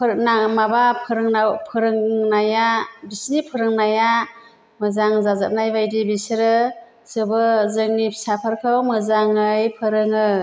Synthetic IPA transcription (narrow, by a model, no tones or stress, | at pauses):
pʰɾnamabapʰɯɾɯŋnawpʰɯɾɯŋnajabisnipʰɯɾɯŋnaja | mɯzaŋzazap̚najbajdibisɾɯ | sɯbɯzɯŋnisapʰaɾkʰɯwmɯzaŋɯjpʰɯɾɯŋɯ